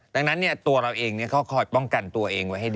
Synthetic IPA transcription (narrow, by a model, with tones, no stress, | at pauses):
daː˧ŋna˦˥nːi˥˩ɐt̪u˧ɐɾa˧wʔeː˧ŋni˥˩ɐkʰɔ˦˥˩wkʰɔː˧˩jpɔ˥˩ŋka˧nt̪u˧ɐʔeː˧ŋwa˦˥jɦa˥˩jd